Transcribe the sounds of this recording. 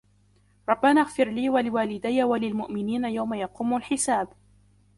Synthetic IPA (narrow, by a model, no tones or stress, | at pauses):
ɾˤɑbːanaɣfɪɾliːwalɪwaːlɪd̪ajːawalɪlmʊʔmɪniːnajawmajɑquːmʊlħɪsaːb